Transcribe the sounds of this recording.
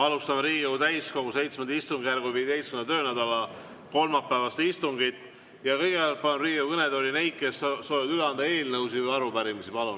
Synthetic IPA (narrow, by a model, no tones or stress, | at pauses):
ɑlust̪ɑmɾiːɡjowt̪æjsko̞ɡuse̞jt̪smend̪ist̪uŋɡ̥jærɡuviːe̞d̪e̞jskynɑt̪ø̞ːnæd̪ɑlɑ | ko̞lmɑpːævɑst̪ist̪uŋɡit̪ːˑ | jɑkɤjɡepjɑlt̪̚pɑnuriːɡjəwkɤned̪olʲinejt̪̚ke̞sːoːjvɑd̪yleɑnd̪ɑe̞ːlnɤwsivɤjɑɾupæɾimisipɑlun